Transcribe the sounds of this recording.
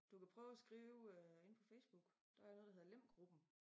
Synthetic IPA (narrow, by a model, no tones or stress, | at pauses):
d̥ukæpʰʁœːʊæsɡ̥ʁiːʊe̝npʰɒfeɪsb̥uɡ̥d̥ɑnɔːðˠdɑheðˠlem̰ɡ̥ʁub̥n̩